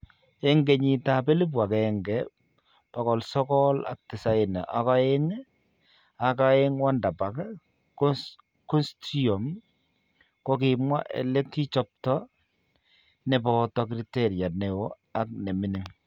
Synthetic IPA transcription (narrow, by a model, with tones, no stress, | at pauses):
ɛ˦ŋɡe˨ɲi˨ta˨pe˦le˦p̬wa˨kɛŋɡɛ | pa˨kɔ˨lsɔ˦kɔ˦la̰˨k̚tɪ˨sa˦ɪ˨na̰˨ʔa˨ka˦e˦ŋ | a˨ka˦e˦ŋwa˦nda˨pa˨k | kɔ˦nstiɔ˨m | ko˦k̬ɪ˨mwa̰˦ʔḛ˨le˦kːi˦t͡ʃɔ˦p̚tɔ˦ | nɛ˨pɔ˦tɔ˦k̬ɾi˦te˦ɾja˨ne˨wo˦ | a˦k̚ne˨mi˦ni˨ŋ